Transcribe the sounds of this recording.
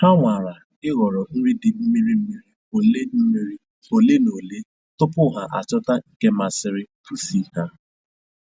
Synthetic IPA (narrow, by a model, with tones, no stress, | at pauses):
ha˦ŋʷa˨ɾa˨ | ɪ˦ɣɔ˨ɾɔ˨n̩˦ɾi˦dɪ˨m̩˦mi˦ɾi˦m̩˦mi˦ɾi˦o˨le˦m̩˦mi˦ɾi˦ | o˨le˦no˨le˦ | tʊ˦pʊ˦˨ɦa˨ʔa̰˨t͡ʃɔ˦ta˦˨ke˦ma˨sɪ˦ɾɪ˦pu˨si˦ha˦